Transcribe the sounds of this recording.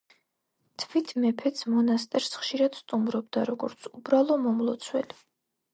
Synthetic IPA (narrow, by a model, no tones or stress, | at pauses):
t̪ʰvit̪ʰmɛpʰɛt̪smɔnast̪ʼɛɾsχʃiɾad̪̥st̪ʼumɾɔb̚d̪aɾɔɡɔɾt̪sʰubɾalˠɔmɔmlˠɔt̪sʰwɛli